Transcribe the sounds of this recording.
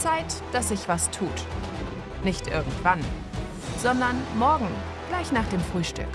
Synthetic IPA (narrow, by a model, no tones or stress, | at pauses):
t͡saɪtd̥asz̥ɪçv̥astʰuːt | nɪçtʔɪɐɡŋ̩tv̥an | z̥ɔndɐnmɔɐɡŋ̩ | ɡ̥laɪçnaːχd̥eːmfʁ̥yːʃtʏ̰k